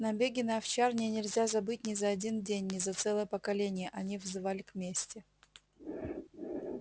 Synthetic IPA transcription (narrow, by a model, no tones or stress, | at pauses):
nɐbʲeɡʲɪnəɐft͡ɕarnʲɪnʲɪlʲzʲazɐbɨt̚ʲnʲɪzɐːdʲindʲenʲːɪzɐt̪sɛlˠəjəpəkɐlʲenʲɪjəʔɐnʲivzɨvalʲɪkmʲesʲtʲɪ